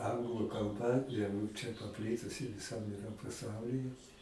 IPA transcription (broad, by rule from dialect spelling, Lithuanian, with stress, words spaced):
ˈɐŋɡlˠʊ kɐlˠˈbɐ jɛʊ t͡ʃʲɛ pɐˈpʲlʲɪtʊsʲɪ ʋʲɪˈsɐm ɪˈrɐ pɐˈsɐʊlʲiːjɛ